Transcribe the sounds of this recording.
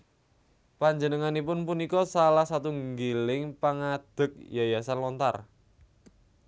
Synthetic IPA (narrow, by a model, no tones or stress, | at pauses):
paɲd͡ʒənəŋanipʊnpunikɔsalahsat̪uŋɡelɪŋpaŋad̪̥ə̤k̚jajasanlɔnt̪a̰r